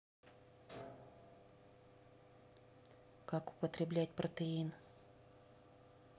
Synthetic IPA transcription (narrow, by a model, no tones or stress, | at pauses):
kakʊ̥pət̪ɾʲɪblʲæt̚ʲpɾət̪əin